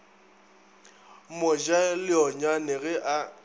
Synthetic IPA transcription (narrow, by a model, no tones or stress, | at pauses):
mɔd͡ʒalɪɔɲwanɛɣɛʔa